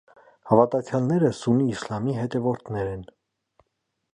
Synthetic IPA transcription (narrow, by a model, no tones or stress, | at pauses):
hɑvɑt̪ɑt͡sʰjɑlnɛɾəsuniːslɑmiɦɛt̪ɛvɔɾt̪ʰnɛɾɛn